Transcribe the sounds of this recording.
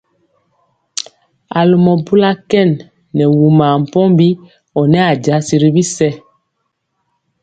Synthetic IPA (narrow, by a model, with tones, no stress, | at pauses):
a˨lu˨mɔ˨bu˦la˦kɛ˦˨nː | ɛ˨wu˨maː˨m̩˨pɔ˦mbi˦ | ɔ˨nɛ˦a˨ɟa˨˦si˨ɾi˦bi˦sɛ˦